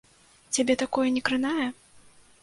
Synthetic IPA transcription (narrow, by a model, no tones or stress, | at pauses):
t͡sʲabʲɛt̪akɔjɐnʲɛkɾɨnajɐ